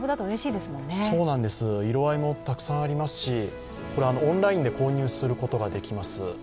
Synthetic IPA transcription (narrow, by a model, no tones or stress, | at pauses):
bɯd̪at̪oɯ̟ɾe̞ɕiːd̪e̞sɨmõ̞nːesso̞ːnãnd̪e̞sɨiɾo̞βaimo̞t̪akɯ̟̥sãɰ̃aɾʲimasɨ̥ɕi | ko̞ɾe̞anoõnɾaĩnd̪e̞ko̞ːɲ̟ɨːsɨɾɯ̟ko̞t̪o̞ɡad̪e̞kʲimasɨ